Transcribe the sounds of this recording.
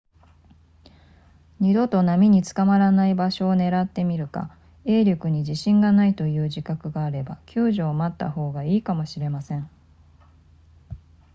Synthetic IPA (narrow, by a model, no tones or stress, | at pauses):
ɲ̟id̪o̞t̪o̞namʲiɲ̟it͡sɨ̥kamaɾanaibaɕo̞ːne̞ɾat̪ːe̞mʲiɾɯ̟ka̰ | e̞ːɾʲjo̞kɯ̟ɲ̟iʑiɕĩŋɡanait̪o̞jɯ̟ːʑikakɯ̟ɡaːɾe̞bakʲɨːʑo̞ːmat̪ːa̰ɦo̞ːɡaiːkamo̞ɕiɾe̞masẽ̞ɴ